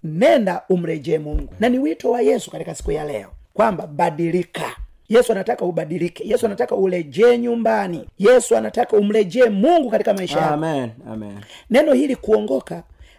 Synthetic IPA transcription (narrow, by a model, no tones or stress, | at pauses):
nɛndaum̩lɛd͡ʒɛːmuŋɡunaniwitɔwajɛsu̥katikasi̥kujalɛ̰ɔkwambabadilika | jɛsuanatakaubadilikɛjɛsuanatakaulɛd͡ʒɛːɲumbanijɛsuanatakaum̩lɛd͡ʒɛːmuŋɡukatikamaiʃaja | nɛnɔhilikuɔŋɡɔka